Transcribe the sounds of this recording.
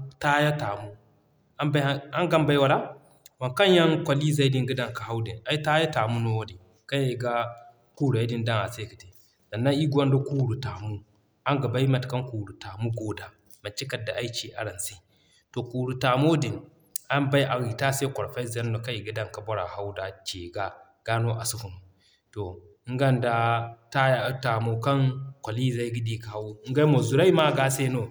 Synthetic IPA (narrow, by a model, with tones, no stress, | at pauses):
ta˦ja˦ta˨mu˦ | ba˦a˦ŋɡa˦mba˦jwa˦la˦ | wa˨nka˦nja˦nkʷa˨li˦za˦i˦di˦ŋɡi˦da˦ŋka˨ha˦wdi˨na˦i˦ta˦ja˦ta˨mu˦no˦wo˦di˨ | ka˦ja˨ɡa˦ | ku˦ɾu˨a˨˦di˦nda˦ŋa˨se˦ka˨ti˨ | za˨nːa˦i˦ɡʷa˦ndo˦ku˦ɾu˨ta˨mu˦n˨ | a˦ŋɡa˨ba˦jma˨tka˦nku˨ɾu˨ta˨mu˦ɡo˦da˦ | ma˨t͡ʃi˦ka˨da˨ʔa˦i˦t͡ʃi˦ʔa̰˨ɾa˨nsi˦ | to˨kuː˨ɾu˨ta˨mo˦di˨n | a˦mba˦jʔa˨ɣi˨ta˦se˦ko˨ɾfa˦za˦nːo˨ka˦i˨ɡi˦da˦˨ŋka˨bo˦ɾa̰˨ha˦wda˨t͡ʃe˨ɡa˦ | ɡ̥a˦no˦ʔa˨su˦fu˨mu˨ | to˨˦ | ŋ˦ɡa˦˨nda˦ta˦ja˦ta˨mo˨ka˦nkʷa˨li˦za˦i˦ɡi˦di˦ka˨ha˦wu˦ŋ̩˦ɡa˦i˦mo˨zu˨ɾa˦i˦ma˦ɡa˦se˦no˦